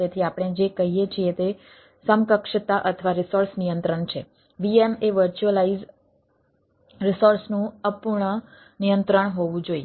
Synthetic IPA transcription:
et̪ʰiapɽ̃ed͡ʒekəɦijet͡ʃʰiet̪e | səmkəkʂət̪aʔət̪ʰəʋaɾɪsoɾsnijənt̪ɾəɳt͡ʃʰe | ʋiemeʋəɾt͡ʃuəlaiz | ɾɪsoɾsnũəpuɾɳə | nijənt̪ɾəɳ̃ɦoʋũd͡ʒoi

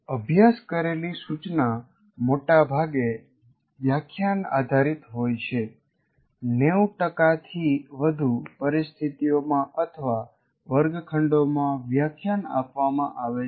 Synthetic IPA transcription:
əbʱjaskəɾelisut͡ʃna | moʈabʱaɡe | ʋjakʰjana̰d̪ʱaɾit̪ɦojt͡ʃʰe | neuʈəkat̪ʰiʋəd̪ʱupəɾist̪ʰit̪ijomãʔət̪ʰəʋa | ʋəɾɡkʰəɳɖomãʋjakʰjana̰pʋamãʔaʋe

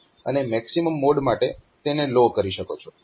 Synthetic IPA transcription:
ə̰nemɛksiməmːoɖmaʈet̪enelokəɾiʃəkot͡ʃʰɔ

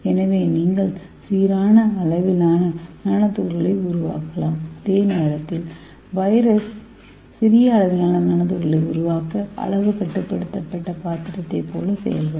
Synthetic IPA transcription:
ɛnɐʋeːniːŋɡɐɭ | siːɾaːnɐɐlɐʋɪlaːnɐnɐnɐt̪ːuːɾɐɭɐɪʊɾʊʋa̰ːkɐlaːmɪðeːneːɾɐt̪ːɪl | ʋɐɪɾɐsː | ɪɾɪjɐːɭɐʋɪlaːnɐnɐnɐt̪ːɯːɾɐlɐɪʊɾʊʋaːkɐɐ̰ɭɐʋɯkɐʈːɯpːɐɽɯt̪ːɐpːɐʈːɐpaːɾt̪ɪɾɐt̪ːɐɪpːo̰ːlɐsɛ̰jɐ̰lɣɐ

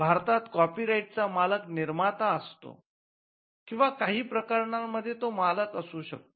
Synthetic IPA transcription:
bʱaɾt̪at̪kɔpiːɾaiʈ̚t͡samaləkniɾmat̪aəst̪o̰ | kĩw̃ʋakaɦiːpɾəkəɾɳamːəd̪ʱːjet̪omaləkəsuːɕək̚t̪o

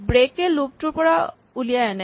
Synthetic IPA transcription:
bɾekːeluk̚ʈuɾpɔɽa | ulijaɛne

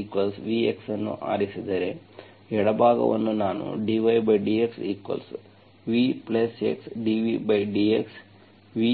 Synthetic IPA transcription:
iːkʋɐlsʋieksɐnːṵʔa̰ːɾisid̪eɾe | ɛɽɐbʱaːɡɐ̰ʋɐ̰nːunaːnṵɖiʋɐjbɐjɖiːeksiːkʋɐ̰ls | ʋiplɐsḛksɖiʋibɐjɖiːeks | ʋi

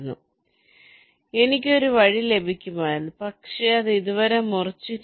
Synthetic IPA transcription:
nːṵ | e̞nik̬ʲːo̞ɾuʋɐɻile̞bʱikʲːumaːjunːupɐkʂe̞ɐðɨiðuʋɐɾe̞murɐt͡ɕːuɾ

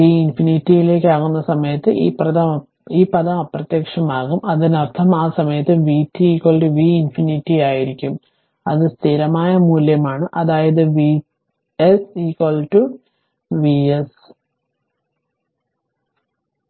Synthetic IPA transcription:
iːinfinitːijile̞ːkʲːaːɣunːɐsɐmɐjɐt̪ːɨ̰ʔḭːprɐðɐ | iːpɐðɐmɐpːrɐt̪jɐkʂɐmaːɣumɐðinɐrt̪ʰːɐmaːsɐmɐjɐt̪ːɨʋiːtːiiːkwɐlʈuʋiːinfinitːijaːjiɾikʲːum | ɐðɨst̪ʰiɾɐmaːjɐmuːljɐmaːɳɨʔɐðaːjɐðɨʋi | esiːkwɐlʈu | ʋies

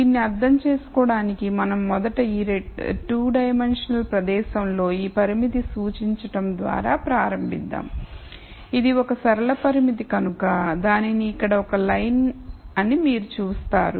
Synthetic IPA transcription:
d̪inːiɐɾd̪ʱːɐmt͡ʃe̞ːsu̥kɔːɽaːnikimɐnɐmːɔd̪ɐʈɐiːɾeʈuːɖɐjɐmenʂɐnɐlpɾɐd̪ɛːʃɐmlo̞ːiːpɐɾimit̪̬isuːt͡ʃiɲt͡ʃɐʈɐmd̪ʋa̰ːɾa̰ːpɾaːɾɐmbʱid̪ːa̰ːm | id̪iɔkɐsɐɾɐlɐpɐɾimit̪ikɐnukɐd̪aːniniːkːɐɽɐɔkɐlɐjnɐnimiːɾut͡ʃuːst̪a̰ːɾu

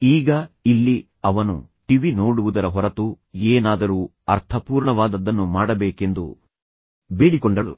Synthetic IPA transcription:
iːɡɐilːi | ɐʋɐnṵ | ʈiʋinoːɽuʋud̪ɐɾɐɦɔɾɐt̪u | eːnaːd̪ɐɾuː | ɐɾt̪ʰɐpuːɾɳɐʋaːd̪ɐd̪ːɐnːumaːɽɐbeːke̞nd̪ṵ | beːɽikɔɳɖɐlṵ

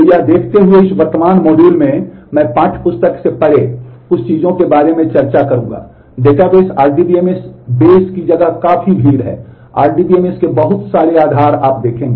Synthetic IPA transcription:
jad̪eːkʰt̪eɦʊeɪsʋəɾt̪əmaːnmɔːɖjuːlmẽmɛ̃ːpãːt͡ʃʰpʊst̪əksepɐɽe | ʊst͡ʃiːzõkebaːɾemẽt͡ʃɐɾt͡ʃakɐɾũːɡa̰ː | ɖeːʈabeːsaːɾɖibiemesbeːskid͡ʒɐɡakaːfʰibʱiːɽɦɛ̰ː | a̰ːɾɖiːbieːmeskebɐɦʊt̪saːɾeaːd̪ʱaːɾaːp̚d̪eːkʰẽːŋɡeː

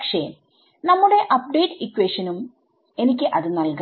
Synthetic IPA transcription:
kʂe | nɐmːuɽe̞ʔɐp̚ɖeːʈːɨikːweʂɐnum | e̞nikʲːɨʔɐðɨnɐlk

